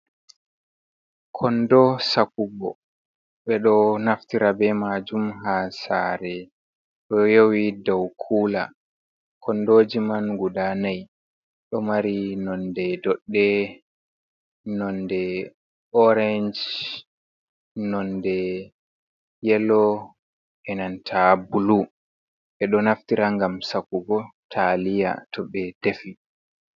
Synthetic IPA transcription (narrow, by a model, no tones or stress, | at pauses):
kʰɔndɔsakubɔ̰ | ɓɛɗɔnaftiɾabɛmad͡ʒumɦasaːɾɛ | ɗɔjowidawkʰula̰ | kʰɔndod͡ʒimanɡudanaj | ɗɔmaɾinɔndɛdɔɗːɛ | nɔndɛ | ɔɾɛnd͡ʒ | nɔndɛ | jɛlɔ | ʔɛnantʰabulu | ɛɗɔnaftiɾaŋɡamsakːuɡɔtʰalija̰tʰɔɓɛd̥efi